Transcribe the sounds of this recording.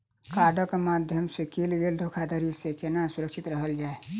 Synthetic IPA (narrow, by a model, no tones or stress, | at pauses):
kaɖəkemad̪ʱjəmsekilɡeld̪ʱokʰad̪əɾisekenasʊɾəksɪt̪ɾəɦəld͡ʒaːe